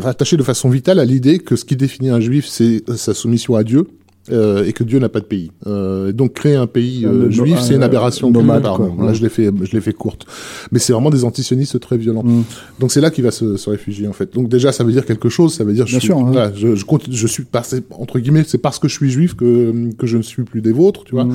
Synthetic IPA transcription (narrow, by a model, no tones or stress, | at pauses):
ʁat̪aʃed̪əfasɔ̃vit̪alalid̪ekəsə̥kʲid̪efiniɛ̃ʒɥifsɛsasumisjɔ̃ad̪jø | øekəd̪jønapad̪əpeiøed̪ɔ̃kːχeɛ̃peiøʒɥiffsɛynab̪eʁasjɔ̃ɔppaʁɔ̃laʒəlefɛʒəlefɛkuʁt̪mɛsɛvʁɛmɑ̃d̪ezɑ̃t̪isjɔnist̪t̪χɛvjɔlɑ̃ | d̪ɔ̃ksɛlakʲivasəsəʁefyʒjeɑ̃fɛt̪̚d̪ɔ̃k̚d̪eʒasavød̪iʁkʲɛlkəʃozsavød̪iʁʒsvalaʒəʒəkɔ̃t̪ʒəsɥipaʁsɛɑ̰̃t̪χəɡʲimɛsɛpaʁsə̥kəʒəsɥiʒɥifkəmkəʒənəsɥiplyd̪ezot̪χt̪yvwa